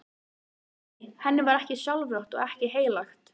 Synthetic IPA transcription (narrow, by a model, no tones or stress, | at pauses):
hɛnːɪvaɾɛhcɪsjawlvɾowht̪ɔ̰ɣɛhcɪɦeːjlaxt̪